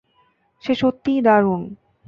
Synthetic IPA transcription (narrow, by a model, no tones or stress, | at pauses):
ʃeʃot̪ːid̪aɾun